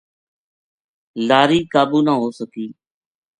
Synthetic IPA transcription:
laːɾiːkaːbuːnãːɦoːsəkiː

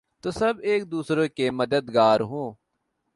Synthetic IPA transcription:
t̪osəbeːk̚d̪uːsɾoːkeːməd̪əd̪ɡaːɾɦõː

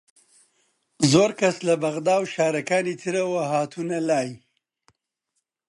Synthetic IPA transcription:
zoːɾkaslabaɣd̪ɑːwʃɑːɾakaːnit͡s̪ʰiɾawaɦaːt̪ʰunalaːji

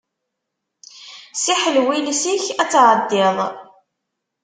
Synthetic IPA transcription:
siħəlwilsiçæt͡sːʕəd̪ːɪðˤ

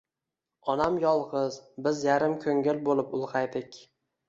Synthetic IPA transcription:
ɒnamjɒlˠʁɨzbɪzjaɾɪmkʰɵŋɪlbolˠɪpʊlˠqɑjd̪ɪkʲ

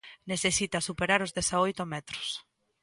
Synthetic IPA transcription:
neθesit̪asupeɾaɾʊzðesaojt̪omɛt̪ɾo̥s

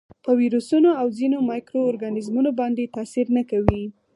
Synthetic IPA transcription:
pəwiɾusunoawzinomɑjkɾoːɾɡanɪzmunobɑnd̪et̪ɑsiɾnakawi

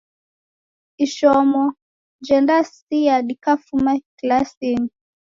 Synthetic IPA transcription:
iʃɔmɔ | d͡ʒɛndasijaɗikafumaklasini

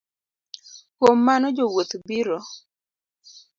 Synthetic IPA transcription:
kwomːanɔd͡ʒowot̪biɾɔ

